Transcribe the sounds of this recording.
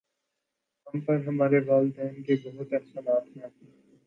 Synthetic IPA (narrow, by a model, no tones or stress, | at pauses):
ɦɐmpɐɾɦɐmaːɾeʋaːld̪ɛːnkebɐɦʊt̪ɐqsaːnaːt̪ʰnãte